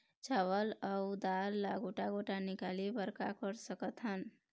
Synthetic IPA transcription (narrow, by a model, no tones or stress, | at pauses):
t͡ʃawələud̪alːaɡoʈaɡoʈanikalibəɾkakəɾsəkət̪ɦən